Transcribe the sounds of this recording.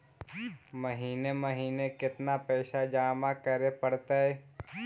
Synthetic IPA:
məɦiːnemɐɦiːnekɪt̪napɛːʃad͡ʒaːmakəɾepəɽt̪aɛː

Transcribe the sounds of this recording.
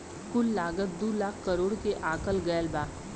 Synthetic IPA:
kʊlːaːɡət̪̚d̪uːlaːkʰkəɾoːɽkeʔaːkəlɡəjəlbaː

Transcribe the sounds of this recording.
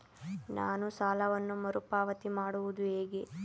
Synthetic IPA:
na̰ːnusaːlɐʋɐnːumɐɾupaːʋɐt̪imaːɽuʋud̪ueːɡe

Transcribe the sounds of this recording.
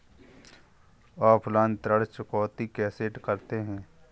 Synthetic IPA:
ɔːpʰlãːnt̪ɾəɽt͡ʃʊkɔːt̪ikɛːseʈkəɾt̪eɦɛ̃ː

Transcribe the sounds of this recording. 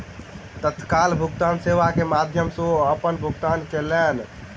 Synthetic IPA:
t̪ət̪kalbʱuɡt̪anseʋakemad̪ʱjəmsoəpənbʱuɡt̪ankelen

